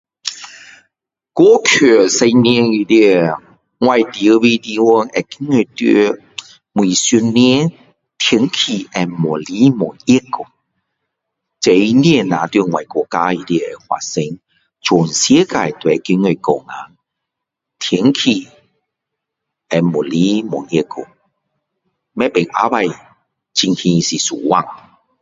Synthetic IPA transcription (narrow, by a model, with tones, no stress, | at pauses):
kɔ˦kʰø˨˩se˧ni˧˦i˧li˧ | ŋwa˧˨jt̪i˨ə˦˧bi˧t̪i˧wɔ˧nɛ˨˩ki˧˦ŋe˧t̪ḭ˧ | mwi˨˩su˧nːɛ˧˦ | t̪ʰə˨˧˦ŋkʰi˨ʔɛ˨mɔ˨˩li˦mɔ˨˩i˦kːɔ˨˩ | t͡se˨˦i˧li˧nã˨˦t̪ɥi˧ŋwa˨˩jkɔ˧˩ka˧˦i˨˧li˧˨e˨hwa̰˨se˧˦ŋ | t͡ɕʰo˨˩nsje˦ka˧˨e˨t̪we˨˧˦ki˧˦ŋe˧kɔ˨˩ŋa˨˦ŋ | t̪ʰə˨˧˦ŋkʰi˧ | ɛ˧mo˨˩li˦mɔ˨˩ŋi˧˦kːo̰˨˩ | mɛ̃˦pe˨˩ŋʔa̰˧˦ba˧j | t͡ɕi˧ŋkʰĩ˧si˨sṵ˨˩wa˦˧˨ŋ